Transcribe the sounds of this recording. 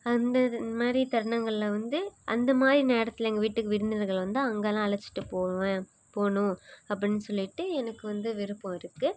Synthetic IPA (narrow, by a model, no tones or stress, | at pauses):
ɐnd̪ɐmaːd̪ɾit̪ɐɾɳɐŋɡɐɭɪlɐʋɐnd̪ɯʔɐnd̪ɐmaːd̪ɾineːɽɐt̪ːɪlɐɛŋɡɐʋiːʈːɯkːɯʋɪɾɪnd̪ɪnɐɾɣɐɭʋɐnd̪aɐŋɡɐlãːɐɭɐt͡ʃːɪ̥ʈːɯpoːʋẽ | poːɳʊ̃ɐp̬ːɐɽɪnːɯsɔlːɪʈːɯɛnɐkːɯʋɐnd̪ɯʋɪɾɯpːõɪɾɯkːɯ